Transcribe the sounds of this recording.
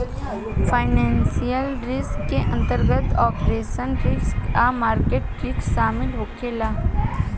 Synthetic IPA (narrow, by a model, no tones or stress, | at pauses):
fʰaːɪnɛ̃ːnsijəlɾɪskːeʔɐ̃nt̪əɾɡət̪ɔːpɾeːʃənɾɪskamaːɾkeːʈkɪkʃaːmɪlɦoːkʰelaː